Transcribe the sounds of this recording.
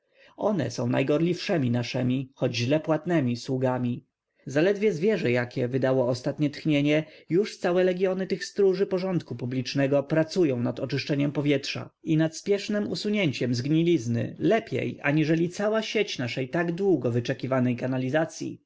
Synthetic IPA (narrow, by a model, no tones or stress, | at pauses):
ɔnɛ̰sɔ̃w̃na̰jɡɔɾlʲifʂɛmʲinaʂɛmʲixɔd͡ʑʑlɛpwat̪nɛmʲiswuɡamʲi | zalɛd̪vʲjɛzvʲjɛʐɛjakʲɛvɘd̪awɔːst̪at̪ɲɛt̪xɲeɲɛjuʂt̪sawɛlɛɡʲjɔnɘt̪ɘxst̪ɾuʐɘpɔʐɔnt̪kupublʲit͡ʂnɛɡɔpɾat̪sujɔ̃w̃nad̪ɔt͡ʂɘʂt͡ʂɛɲɛmpɔvʲjɛtʂa̰inat̪spʲjɛʂnɛmṵsuɲeɲt͡ɕɛmzɡɲilʲiznɘ̰lɛpʲjḛja̰ɲiʐɛlʲit̪sawaɕet͡ɕnaʂɛjt̪aɡd̪wuɡɔvɘt͡ʂɛkʲivanɛjkanalʲizat̪sʲjḭ